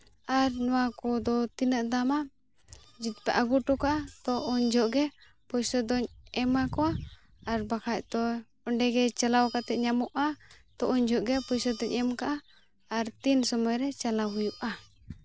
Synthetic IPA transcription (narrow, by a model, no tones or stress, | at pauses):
aɾnɔwakɔd̪ɔt̪inəʔd̪ama | d͡ʒit̪̚pɛʔaɡuʈɔkaʔat̪ɔʔɔɲd͡ʒɔʔɡɛ | pɔjsɔd̪ɔɲɛmakɔaː | ɾbakʰac̚t̪ɔ | ɔɳɖɛɡɛt͡ʃalawkat̪ɛʔ̪̚ɲamɔʔat̪ɔʔɔɲd͡ʒɔʔɡɛpɔjsɔd̪ɔɲɛmkaʔaː | ɾt̪insɔmɔjɾɛt͡ʃalaɦujuʔa